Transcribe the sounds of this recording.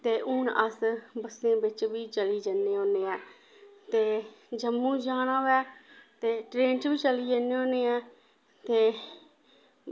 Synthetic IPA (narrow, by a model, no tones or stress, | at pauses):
t̪eːʔʊːnəsbəsẽːbɪt͡ʃbiːt͡ʃəliːd͡ʒənːeːõːneːɛː | t̪eːd͡ʒəmːũːd͡ʒaːñãːʋɛːt̪eːʈɾeːnt͡ʃbiːt͡ʃəliːd͡ʒəneːõːneːɛ̃ː | t̪eː